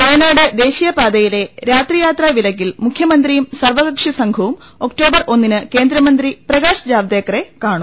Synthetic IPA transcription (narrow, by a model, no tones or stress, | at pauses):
poɭɐnaːɽɨd̪e̞ːɕijɐpaːd̪ɐjile̞ɾaːt̪rijaːt̪rɐʋilɐkːilmukʰjɐmɐnd̪ɾrijumsɐrʋɐɣɐkʂisɐŋɡʱɐʋum | o̞kʈo̞ːbɐrʔo̞nːinɨke̞ːnd̪ɾɐmɐnd̪riprɐɣaːɕɐd͡ʑaːʋd̪eːkːɐre̞kaːɳu